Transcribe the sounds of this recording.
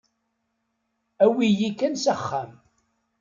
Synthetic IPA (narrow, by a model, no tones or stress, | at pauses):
æwijikːænsəχːæm